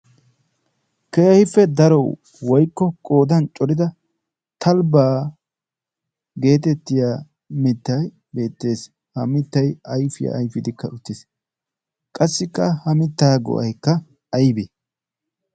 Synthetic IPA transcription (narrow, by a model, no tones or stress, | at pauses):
keːhɪfːɛd̪ɐɾɔw | wɔjkːɔkʼo̞ːd̪ɐnt͡ʃʼɔɾɪd̪ɐ | t̪ʰɐlbaː | ɡe̞ːt̪ɛt̪ːɪjaː | mɪt̪ːɐj | be̞ːt̪ːe̞ːs | hɐmɪt̪ːɐjɐjfɪja̰ːjfɪd̪ɪkːɐʊt̪ːɪs | kʼɐsːɪkːɐhɐmɪt̪ːaːɡɔ̰ʔɐ̰jkːɐ | ɐjbeː